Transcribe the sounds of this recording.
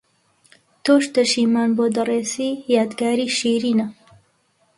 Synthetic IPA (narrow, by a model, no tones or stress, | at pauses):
t̪oːʃt̪ɐʃiːmaːnboːd̪ɐreːsiːjaːd̪ɡaːɾiːʃiɾiːnɐ